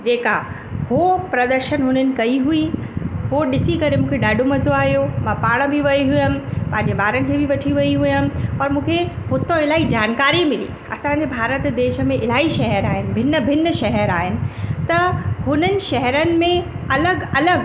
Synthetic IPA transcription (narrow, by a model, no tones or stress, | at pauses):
d͡ʑeːka̰ | hopɾɐd̪əɾʃənɦʊnənɪ̆kɐiɦuiɦoɗɪsikɐɾemũːkʰeɗaːɖʱomɐzoaːɦijomãpaːɽ̃bʱɪʋɐiɦʊjəmɪ̆pãːɦɪ̃ɲd͡ʑebaːɾənɪ̆kʰeːbiʋɐʈʰiʋɐiɦujən̆ɔːɾmũːkʰeɦʊt̪õɪlaːid͡ʑaːnkaːɾimɪlḭː | ɐ̰sãɲd͡ʑebʱaːɾət̪d̪eːʃə̆mẽʔɪlaːiʃɐɦɛɾaːɦɪnɪ̆bʱɪnəbʱɪnəʃɐɦɛɾaːɦɪnɪ̆t̪ɐhʊnənɪ̆ʃɐɦɛɾənɪ̆mẽ | ɐləɡɐləɡ